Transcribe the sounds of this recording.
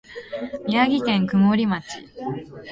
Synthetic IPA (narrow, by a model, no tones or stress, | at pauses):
mʲiaɡʲikẽ̞ŋkɯ̟moɾʲimat͡ɕḭ